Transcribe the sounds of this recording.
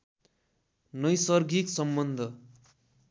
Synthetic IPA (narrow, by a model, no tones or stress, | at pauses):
nʌjsʌrɡiksʌmbʌnd̪ʱʌ